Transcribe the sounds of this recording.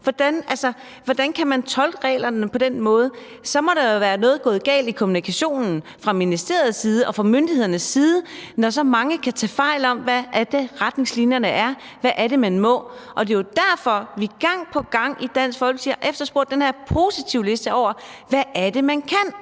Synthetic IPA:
ʋɒd̥ænælsɐ | ʋɒd̥ænkʰæmænt͡sʰɒ̽lɡ̥əʁɛ̰ːlɐnəpʰɒ̽d̥enmɔ̽ːð̞ˠə | sɒ̽mɒ̽ɾ̥ɑjo̝ʋæːɐnɔ̽ːð̞̩ˠɡ̥ɔ̽ːð̞̩ˠɡ̥ɛ̰ːld̥ikʰo̝munikʰæɕo̝̰ːnn̩fʁɑ̈minisd̥e̝̰ɐð̞ˠsiːð̞ˠəʔɒ̽fʁɑ̈mønd̥ihe̝ð̰ˠɐnəsːiːð̞ˠənɒs̬ɒ̽mɑ̈ŋəkʰæt͡sʰɛ̰fɑ̈ɪ̰lɒ̽mʋæʔːɐd̥e̝ʁad̥ne̝ŋslinjɐnəʔæɐ | ʋæʔæɐɾe̝mænmɔ̽ʔɒ̽d̥e̝jo̝d̥æɐfɒ̽ʋiɡ̥ɑ̈ŋ̰pʰɒ̽ɡ̥ɑ̈ŋ̰id̥æn̰sɡ̥fɒːɒlsiɐʔefd̥ɐsb̥ɔɐ̰d̥enheɐ̰pʰo̝sit͡sʰiʊ̰le̝sd̥əɒʊ̰ɐʋæːɐde̝mænkʰæn̰

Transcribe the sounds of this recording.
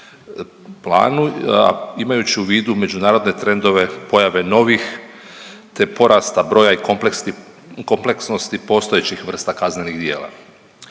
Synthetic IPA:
plˠa̰ːnṵ | imajut͡ɕiuʋiːd̪ume̞d͡ʒunaːɾo̞d̪ne̞t̪ɾe̞nd̪o̞ʋe̞po̞jaʋe̞no̞ʋix | t̪e̞po̞ɾast̪abɾo̞ːjaikoplsi | ko̞mpleksno̞st̪ipo̞st̪ojet͡ɕixʋr̩st̪akazne̞niɣd̪je̞ːla̰

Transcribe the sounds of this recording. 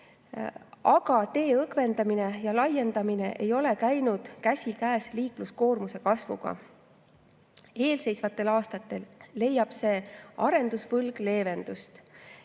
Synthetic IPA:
ɑɡ̥ɑt̪e̞ːɤkve̞nd̪ɑmine̞jɑlɑje̞nd̪̥ɑmine̞ʔe̞jo̞le̞kæjnud̪̥kæsʲikæːsliːklusko̞ːrmuse̞kɑsvṵɡ̥ɑ̰ | e̞ːlse̞jsvɑt̪ːˑe̞lɑːst̪ɑt̪ːˑe̞lːe̞jːɑb̥se̞ːɑɾe̞nd̪usvɤlɡ̥le̞ːve̞nd̪̥ust̪

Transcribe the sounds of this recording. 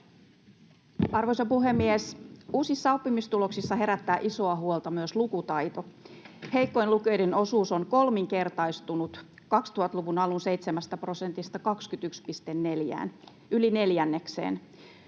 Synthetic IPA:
ɑrʋo̞jsopuɦe̞mːiesuːsisːɑopːimist̪ulo̞ksisːɑɦe̞ɾæt̪ːæːʔiso̞ɑɦuolt̪ɑmyøslukut̪ɑjt̪o̞he̞jkːo̞jnlukø̞jdeno̞suːso̞nko̞lmiŋke̞rt̪ɑjst̪unut̪ | kɑkst̪uhɑt̪luʋunɑlunse̞jt̪semæst̪æpro̞sent̪ist̪ɑkɑkskyt̪ykspist̪enːe̞ljæ̰ːn | ʔyline̞ljænːe̞ksḛːn

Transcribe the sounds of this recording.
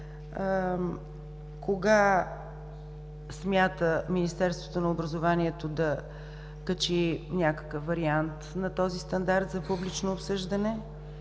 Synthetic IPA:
koɡa | smʲjat̪əminist̪ɛɾst̪vo̥t̪onɐobɾɐzovaniɛt̪od̪ɐ | kət͡ʃinʲakə̥kəfvɐɾiant̪nɐt̪ɔzist̪ɐnd̪aɾt̪zɐpublit͡ʃnoːpsɤʒd̪ənɛ

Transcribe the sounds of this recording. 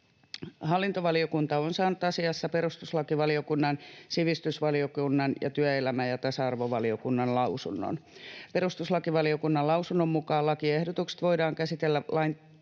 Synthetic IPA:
hɑlːint̪oʋɑliokunt̪ɑonsɑːnut̪ɑsiɑsːɑpeɾust̪uslɑkiʋɑlio̞kunːɑnsiʋist̪ysʋɑliokunːɑnjɑ̰t̪yæelæmæjɑt̪æsɑɑrʋoʋɑlio̞kunːɑnlɑusunːo̰npe̞ɾust̪uslɑkiʋɑliokunːɑllɑusunːomːukɑːlːɑkiehdot̪ukse̥t̪ʋo̞idɑːŋkæsit̪elːælɑin

